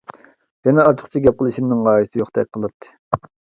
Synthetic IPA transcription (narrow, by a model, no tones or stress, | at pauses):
jɛnɛɑɾt̪ʰə̥χt͡ʃʰiɡʲɛp̚qʰəlˠɨʃiɾnɨŋʁɑːjisɪjoχt̪ɛk̚ʲqʰəlˠɨt̪ʰːɨ̥